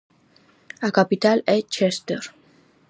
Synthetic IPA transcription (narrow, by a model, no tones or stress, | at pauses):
akapit̪alɛt͡ʃʰɛst̪əɾ